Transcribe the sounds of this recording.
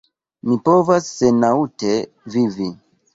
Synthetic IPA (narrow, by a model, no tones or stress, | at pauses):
mipo̞vasːenaute̞ | vivi